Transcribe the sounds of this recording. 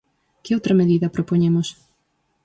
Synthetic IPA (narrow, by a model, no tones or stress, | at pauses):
kɪowt̪ɾɐmeðiðɐpɾopoɲemos